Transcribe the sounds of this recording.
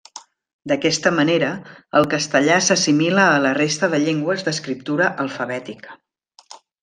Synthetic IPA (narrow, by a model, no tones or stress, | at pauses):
d̪əkɛst̪əməneɾəəlˠkəst̪əʎasəsimiləːlərest̪əðəʎeŋɡwəzðəskɾip̚t̪uɾəʔəlˠfəβɛt̪ikə̥